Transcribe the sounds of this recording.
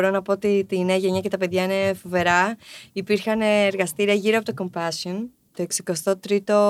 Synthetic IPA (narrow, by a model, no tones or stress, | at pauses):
ɾo̞nɐpo̞ot̪it̪ineɐʝe̞ɲɐce̞t̪ɐpe̞ðʝɐine̞fo̞ve̞ɾɐipiɾxɐneːɾɣɐst̪iɾiɐʝiɾoɐpot̪oko̞mpɐsion | t̪o̞e̞ksiko̞st̪o̞t̪ɾit̪o̞